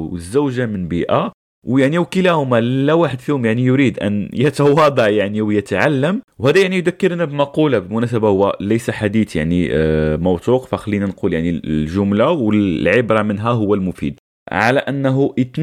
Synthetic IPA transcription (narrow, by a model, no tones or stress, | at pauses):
wəzːuwʒamənbiʔa | wjaʕniwkəlæhʊmalæwaħəd̪fihʊmjaʕnijʊɾid̪ʔæ̰njət̪ɑwɑd̪ˤɑʕjaʕniwjət̪ʕalːəmwhæd̪æjaʕnijd̪ækːəɾnæbmɑqulabəlmʊnæs̬əbahʊwːælæjsaħad̪it̪ja̰ʕnimɑwt̪ˤuːqfæxælːinanquljaʕnilʒʊmlawəllʕəbɾˤɑmənɦæɦʊwːælmʊfḭd̪ | ʕa̰læʔænːɦuət̪n